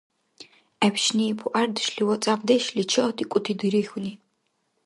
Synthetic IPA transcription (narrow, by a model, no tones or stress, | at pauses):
ɛpʃnipʰuʔard̪ɨʃɬiwɔt͡sʼamd̪ɛʃlit͡ʃʰɔt̪ʰʼikʷʼʊt̪ʰid̪ɨɾixʷni